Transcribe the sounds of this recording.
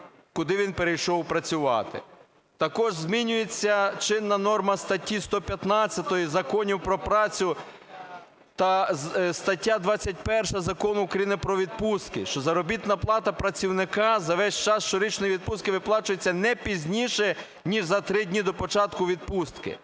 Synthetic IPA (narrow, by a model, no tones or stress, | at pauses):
kʊd̪ɪʋʲinpeɾejʃɔwpɾɐt͡sʲʊʋɑ̰t̪ɪ̰ | t̪ɐkɔʒzʲmʲinʲʊjet͡sʲːɐt͡ʃɪnːɐnɔrmɐst̪ɐtʲːist̪ɔpʲjɐt̪nɑt͡sʲjɐt̪ɔjizɐkɔnʲiwpɾɔpɾɑt͡sʲʊ | t̪ɐst̪ɐtʲːad̪ʋɑt͡sʲːɐt̚ʲpɛrʃɐzɐkɔnʊʊkɾɐjinɪpɾɔʋʲid̪̚pust̪̚kɪʃt͡ʃɔzɐɾɔbʲit̪nɐplˠɑt̪ɐpɾɐt͡sʲiwnɪkɑzɐʋɛsʲt͡ʃɑsʃt͡ʃɔɾʲit͡ʃnɔjiʋʲid̪̚pus̚kɪʋɪplˠɑt͡ʃʊjet͡sʲːɐnɛpʲizʲnʲiʃɛ | nʲiʒzɐt̪ɾɪdʲnʲid̪ɔpɔt͡ʃɑt̪kʊʋʲid̪̚pust̪kɪ̰